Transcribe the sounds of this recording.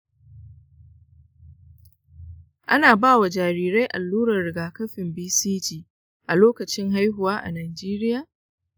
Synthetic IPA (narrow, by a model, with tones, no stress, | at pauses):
ʔa˦naː˨baː˦˨wa˨d͡ʒaː˨ɾiː˨ɾe˦jʔa̰˨lːuː˦ɾɐ˨rɾɪ˨ɡaː˨kɐ˦ɸɪ˨mbiː˦siː˦t͡ʃiː˨ | ʔa˨loː˦kɐ˨t͡ʃɪ˦ŋɦa˦jɦʊ˨waː˦ʔa̰˨naː˨d͡ʒeː˦ɾɪ˦jaː˨